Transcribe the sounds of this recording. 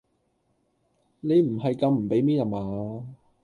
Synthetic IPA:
ne˨˧jm̩˨˩ɦɐ˨jkɐ˨˧mm̩˨˩pe˨˥jmiː˥na˨maː˨

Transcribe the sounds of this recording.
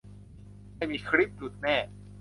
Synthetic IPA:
a˥˩jmiː˧kʰɾi˦˥˩p̚t͡ɕu˨˩t̪̚nɛː˥˩

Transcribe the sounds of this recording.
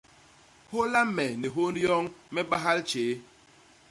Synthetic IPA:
ho˦la˦m̩˦me˨ne˨ɦo˦n˦ɾjɔ˦ŋ̩˦me˦ba˦ɦa˦lt͡ʃeː˨˦

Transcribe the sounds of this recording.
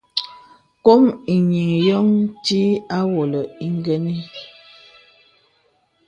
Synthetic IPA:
ko˦mi˨ɲi˨ŋjɔ˦ŋti˦a˦wo˨lə˨i˦ŋ˦ɡɛ˦ni˦

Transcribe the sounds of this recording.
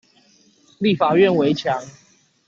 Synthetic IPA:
li˥˨fa˨˩ɥɛ˥˨nwe˨˦ɪt͡ɕʰja˨˦ŋ

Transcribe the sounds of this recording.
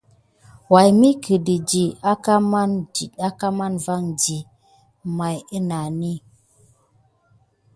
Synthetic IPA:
wa˨jmi˦kə˨di˨d͡ʒi˨a˦ka˦ma˦ndi˨ta˦ka˦ma˦nva˦˨ŋd͡ʒi˨ | ma˨jə˦na˨ni˦

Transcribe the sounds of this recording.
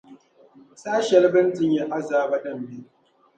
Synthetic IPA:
sʼaː˦ʃɐ˦˨lbɐ˦ntɪ˨ɲja˦ʔa˦zaː˦bɐ˦ɗɐ˦˨mbe˦

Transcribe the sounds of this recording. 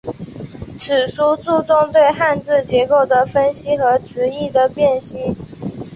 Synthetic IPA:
ʈ͡ʂʰɻ̩˨˩ʂu˥t͡su˥˧ʈ͡ʂʊ˥˧ŋt̪we˥˧ɪxa˥˧nt͡sɹ̩˥˩t͡ɕjɛ˧˥ko˥˩ʊd̪ə˩fə˥nɕi˥xɤ˧˥ʈ͡ʂʰɻ̩˧˥i˥˩d̪ə˩pjɛ˥˩nɕi˥

